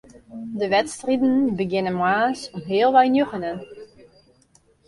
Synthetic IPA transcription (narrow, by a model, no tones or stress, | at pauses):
dəʋɛtstridən̩bəɡɪnənmwaːsɔmɦɪəlˠʋɛjnjøχənən